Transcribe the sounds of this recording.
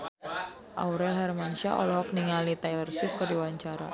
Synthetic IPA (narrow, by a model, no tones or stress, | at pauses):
ʔa̰uɾɛlɦarmanusiaʔɔ̰lɔɦɔk̚niŋalit̪ajlərsif̚kərdiwaɲt͡ʃaɾa̰